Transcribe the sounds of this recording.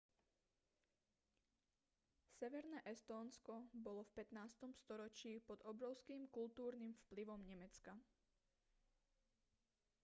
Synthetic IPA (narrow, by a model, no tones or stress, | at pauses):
sɛʋɛɾnɛːʔɛst̪ɔːnskɔbɔlɔfpɛt̪naːst̪ɔmst̪ɔɾɔt͡ʃiːpɔd̪ɔbɾɔʊskiːmkult̪uːɾnimfpliʋɔmɲɛmɛt͡ska